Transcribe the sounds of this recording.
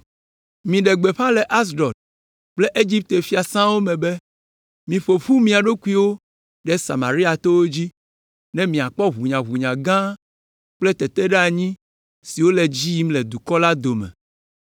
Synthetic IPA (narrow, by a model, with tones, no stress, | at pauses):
mĩ˨ɖɛ˨ɡ͡be˨ɸã˦lɛ˨ʔa˦s̬ɖɔ˨t̪̚ | k͡ple˦ʔe˦d͡ʑi˦p̚t̪e˨fi˦a˨sã˦wo˦mɛ̃˨be˦ | mĩ˨ɸo˨ɸu˦mĩ˦a˨ɖo˦ku˦i˦wo˦ | ɖɛ˦sa̰˨ma˨ɾi˦a˨t̪o˦wo˦d͡ʑi˦ | nɛ̃˦mĩ˨a˨k͡pɔ˦ɦu˨ɲã˨ɦu˨ɲã˨ɡã˦ | k͡plɛ˦t̪ɛ˨t̪ɛ˦ɖa˨ɲĩ˦ | si˨wo˦lɛ˨d͡ʑi˦mlɛ˨d̪u˨kɔ˦la˦d̪o˨mɛ̰̃˨